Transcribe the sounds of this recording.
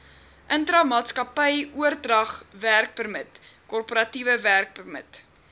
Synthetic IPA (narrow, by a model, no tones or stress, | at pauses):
ʔəntrɐmɑːtskɐpəjuərdrɐχværk̚bərmətkɔrpoɾɐtivəværk̚bərmə̰t